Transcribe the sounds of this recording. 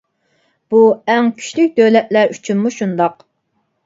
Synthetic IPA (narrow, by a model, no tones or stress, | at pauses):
b̥uɛŋkʲʰy̥ʃlyk̚ʲd̪ølɛt̪̚læɾyt͡ʃʰynmuʃund̪ɑq